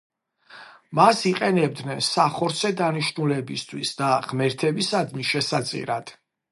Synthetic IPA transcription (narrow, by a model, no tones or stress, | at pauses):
masiqʼɛnɛb̚d̪nɛnsaχɔɾsʰɛd̪aniʃnulɛbist̪ʰwḭsd̪aʁmɛɾt̪ʰɛbisad̪miʃɛsat̪sʼḭɾad̪̥